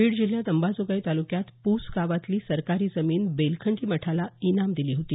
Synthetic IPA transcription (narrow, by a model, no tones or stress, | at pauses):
ʋiːɽd͡ʑil̤jad̪əmbad͡zoɡait̪alukjat̪puskaʋat̪liːsəɾkaɾiːd͡zəmiːnbelkʰəɳʈiːməʈʰalainamd̪iliːɦot̪iː